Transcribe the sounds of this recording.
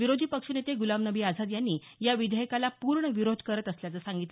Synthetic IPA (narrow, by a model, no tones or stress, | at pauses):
ʋiɾod̪ʱiːpəkʂənet̪eɡulamnəʋiːad͡zʱad̪janːiː | jaʋid̪ʱəjəkalapuɾɳəʋiɾod̪ʱkəɾət̪əsljat͡səsaŋɡit̪le